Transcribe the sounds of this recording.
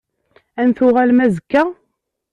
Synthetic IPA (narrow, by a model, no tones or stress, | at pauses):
ænθʊʁælmæzəkːæ